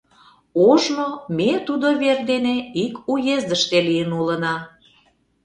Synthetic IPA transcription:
oʒnomet̪ud̪oβerd̪eneikujezd̪əʃt̪elijənulənɑ

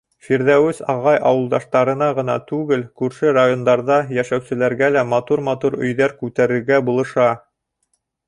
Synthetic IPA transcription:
fiɾðæwɘsɑ̰ʁɑjʔɑwɤ̆lˠd̪ɑʃt̪ɑɾɤ̆nɑʁɤ̆nɑ̰t̪ʉɡɘlkʉɾʃɘɾajo̞nd̪ɑɾðɑjæʃæwsɘ̆læɾɡælæmɑt̪uɾmɑt̪uɾɵ̰̆jðæɾkʉt̪æɾɘ̆ɾɡæbulˠɤ̆ʃɑ

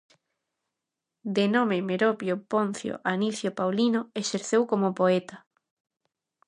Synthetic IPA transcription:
d̪enomemeɾopjopon̟θjo̰ʔaniθjopawlinoeʃeɾθewkomopoet̪a

